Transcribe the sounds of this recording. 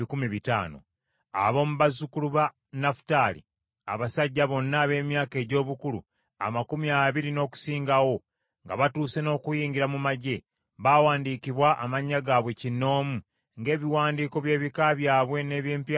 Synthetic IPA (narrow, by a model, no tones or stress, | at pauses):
ikumiβita̰ːno̞̰ | a̰βo̞ːmuβazukuluβa | nafu̥taːlḭ | a̰βasaɟːaβo̞nːaːβe̞ːmjaːke̞ːɟo̞ːβukulṵ | a̰makumiaβiɾino̞ːku̥siːŋɡawo̞ | ŋɡaβatuːse̞no̞ːkujiːɲɡiɾamumaɟe̞ | βaːwaːndiːkiβwaʔamaɲːaɡaːβwe̞cinːo̞ːmu | ŋɡe̞ːβiwaːndiːko̞βje̞ːβikaβjaːβwe̞ne̞ːβje̞ːmpja